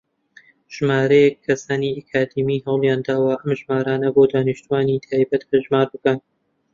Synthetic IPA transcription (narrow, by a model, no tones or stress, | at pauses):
ʒ̥maːɾɐjɛkʰːɐsaːniakʰaːd̪imiːɦɐwlˠjaːnd̪aːwɐʔɐmʒmaːɾaːnɐboːd̪aːnɨʃt̪uwaːnit̪ʰaːjbɐt̪bɐʒmaːɾbɨkɐn